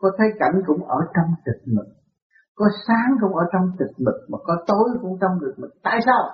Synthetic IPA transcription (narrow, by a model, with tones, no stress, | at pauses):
kɔ˨˦t̪ʰə˨˦jka˧˩jŋ̟kʊ̰˧˥ŋ͡mʔəː˧˩t͡ɕɔ˧wŋ͡mtɨ˨˩k̚mɨ˨˩k̚ | kɔ˨˦saː˨˦ŋkʊ̰˧˥ŋ͡mʔəː˧˩t͡ɕɔ˧wŋ͡mt̪i˨˩mi˨˩k̚maː˨˩kɔ˨˦t̪o˧jkʊ̰˧˥ŋ͡mt͡ɕɔ˧wŋ͡mzɨ˨˩ək̚mɨ˨˩k̚t̪a̰ː˧˨jsaː˧w